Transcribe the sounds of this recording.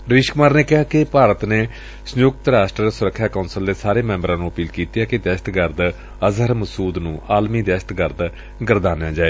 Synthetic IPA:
ɾiːʃkʊmaːɾneːkɪɦaːkɪpaːɾət̪neː | sənjʊk̚t̪ɾaːsʈɾəɾsʊɾəkʰːjaːkaːnsəld̪eːsaːɾeːmɛ̃ːmbɾãːnũːəpiːlkiːt̪jaːkɪd̪ɛːʃət̪ɡəɾd̪ | əzəɾməsuːd̪nũːʔaːlmiːd̪ɛːʃə̥t̪ɡəɾd̪ | ɡəɾd̪aːnejãːd͡ʒaːeː

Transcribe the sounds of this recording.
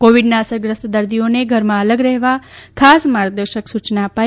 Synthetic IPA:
koʋiɖnaəsəɾɡɾəst̪d̪əɾd̪ijoneɡʱəɾmãələɡɾɛɦʋakʰasmaɾɡ̚d̪əɾʃəksut͡ʃnaəpa

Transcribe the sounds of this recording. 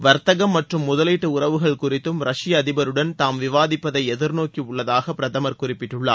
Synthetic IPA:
ʋɐɾt̪ɐɣɐmːɐʈrɯmːʊðɐliʈːɯʊrɐʋɯɣɐɭkʊrɪt̪ːɯmɾɐʂɪjɐːðɪbɐɾɯɽɐnt̪aːmʋɪʋaːðɪpːɐðɐɪɛðɪɾnoːkiʊɭːɐðaːɣɐpːɪɾɐðɐmɐɾkʊrɪpːɪʈːɯɭːa̰ː

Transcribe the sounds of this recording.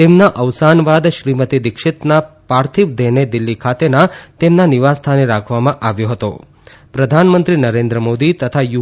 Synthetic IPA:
t̪emnaʔəʋsanʋad̪ʃɾimət̪id̪ɪkʃɪt̪napaɾt̪ʰiʋd̪ʱɛned̪ɪlːikʰat̪enat̪emnaniʋast̪ʰaneɾakʰʋamãʔaʋjoɦət̪o̰ | pɾəd̪ʱanmənt̪ɾinəɾẽnd̪ɾəmod̪it̪ət̪ʰaju

